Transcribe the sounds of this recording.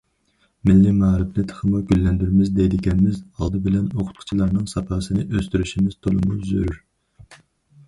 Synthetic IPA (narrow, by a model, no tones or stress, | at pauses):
mɪlːimɑːɾɪpnɪt̪ʰə̥χʰəmuɡʲylːɛnd̪yɾmɪzd̪ɛjd̪ɪɡʲɛnmɪzɑlˠd̪ɨbɪlɛnoqʰʊ̥t̪̚qʰʊ̥t͡ʃʰilˠɑɾnɨŋsɑpʰɑːsɨnɨʔøst̪yɾyʃimɪz̥t̪ʰolˠɨmuzøɾyɾ